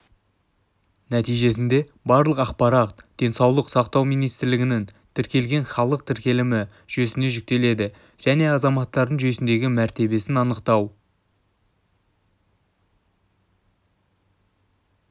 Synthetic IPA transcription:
næt̪ijʒe̞s̬ɪnd̪e̞ | bɑɾlˠəqɑqpɑɾɑt̪d̪̥e̞nsɑwlˠəqsɑqt̪ɑwmijnijst̪ɪɾlɪɡʲɪnɪn | t̪ʰɪɾkʲe̞lɡʲe̞nχɑlˠəq̚t̪ʰɪɾkʲe̞lɪmɪ | ʒ̥ɵsɪne̞ʒʏk̚t̪e̞le̞d̪ɪ | ʒ̥æne̞ɑzɑmɑt̪ːɑɾd̪əɴʒesɪnd̪e̞ɡʲɪmæɾt̪e̞be̞sɪnɑnəqt̪ɑw

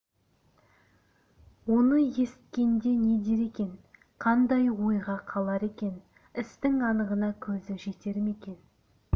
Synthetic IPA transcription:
wo̞nəje̞st̪̚kʲe̞nd̪e̞ne̞d̪e̞ɾe̞kʲe̞n | qʰɑnd̪ɑjwo̞jʁɑqʰɑlˠɑɾe̞kʲe̞n | ɪst̪ɪŋɑnəʁənɑkʲʰɵzɪʒe̞t̪e̞ɾɪme̞kʲe̞n

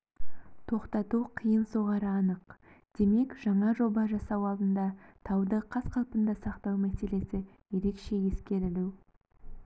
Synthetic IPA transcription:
t̪ʰo̞qt̪ɑt̪uqʰəjənso̞ʁɑɾəɑnəqd̪̥e̞me̞kʒ̥ɑɴɑʒo̞bɑʒɑsɑwɑlˠd̪ənd̪ɑt̪ʰɑwd̪əqʰɑsqʰɑlˠpənd̪ɑsɑqt̪ɑwmæse̞le̞sɪ | je̞ɾe̞kʃe̞je̞skʲe̞ɾɪluw

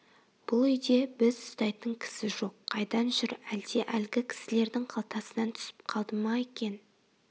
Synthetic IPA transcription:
b̥ʊlˠʏjd̪e̞bɪzʊst̪ɑjt̪əŋkʲʰɪ̥sɪʒo̞qʰːɑjd̪ɑnʒʏɾæld̪e̞ʔælɡʲɪkʲʰɪ̥sɪle̞ɾd̪ɪŋqʰɑlˠt̪ɑsənɑnt̪ʰʏ̥sɪ̥p̚qʰɑlˠd̪əmɑe̞kʲe̞n

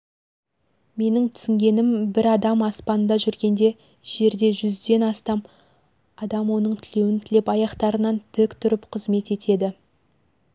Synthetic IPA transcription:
me̞nɪŋt̪ʰʏ̥sɪŋɡʲe̞nɪmbɪɾɑd̪ɑmɑspɑnənd̪ɑʒʏɾɡʲe̞nd̪e̞ | ʒ̥e̞ɾd̪e̞ʒʏzd̪e̞nɑst̪ɑm | ɑd̪ɑmwo̞nəɴt̪ʰɪle̞wɪnt̪ʰɪle̞pɑjɑqt̪ɑɾənɑnt̪ʰʏkt̪ʰʊɾɪpqʰəzme̞t̪e̞t̪e̞d̪ɪ

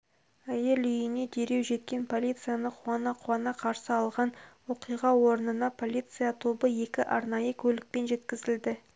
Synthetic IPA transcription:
æje̞lʏjɪne̞d̪e̞ɾe̞wʒe̞t̪̚kʲe̞npʰo̞lʲijt̪sɨijanəqʰʊɑnɑqʰʊwɑnɑqʰɑɾsəɑlˠʁɑnwo̞qijʁɑwo̞ɾənənɑpʰo̞lʲit̪sɨjat̪ʰo̞bəje̞kʲɪʔɑɾnɑjəkʲʰɵlɪk̚pe̞nʒe̞t̪kʲɪzɪld̪ɪ

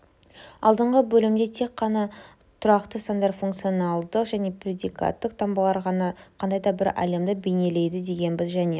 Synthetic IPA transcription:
ɑ̰lˠd̪əɴʁəbɵlɪmd̪et̪ʰe̞k̚qːɑnɑ | t̪ʰʊɾɑqt̪əsand̪ɑɾfuŋkt̪sijonɑlˠd̪əqʒæne̞prʲed̪ika̰t̪ːəq̚t̪ʰɑmbəlˠɑɾʁɑnɑqʰɑnd̪ɑjd̪ɑbɪɾɑ̰j̪emd̪əbe̞jne̞le̞jd̪ɪd̪e̞ɡʲe̞nbɪzʒæne̞

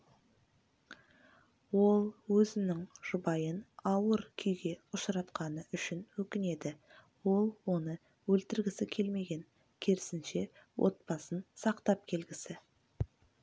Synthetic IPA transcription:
wo̞lˠwɵzɪnɪŋʒ̥ʊbɑjənɑwəɾkʲʰʏjɡʲe̞ʊʃɾɑt̪qɑnəʔʏʃɪnwɵkʲɪne̞d̪ɪ | wo̞lˠwo̞nə | wɵlt̪ɪɾɡʲɪsɪkʲʰe̞lme̞ɡʲe̞ŋ | kʲʰeɾɪsɪnʃe̞ | wʔo̞̰t̪̚pɑsənsɑqt̪ɑp̚kʲʰe̞lɡʲɪsɪ

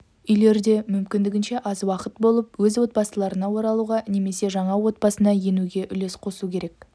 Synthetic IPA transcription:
ʏjle̞ɾd̪e̞mʏmkʲɪnd̪ɪɡʲɪnʃe̞ʔɑzwɑqət̪bo̞lˠəpwɵzwo̞t̪̚bɑsəlˠɑɾənɑwo̞ɾɑlˠuʁɑne̞me̞se̞ʒɑɴɑwo̞t̪̚bɑsənɑje̞nuɡʲe̞ʔʏle̞sqʰo̞sukʲʰe̞ɾe̞k

